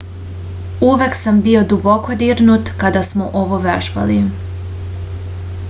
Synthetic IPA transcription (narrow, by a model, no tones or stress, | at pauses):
uʋeksambio̞d̪ubo̞ko̞d̪iːɾnut̪kad̪asmoʔoʋoʋeʒba̰li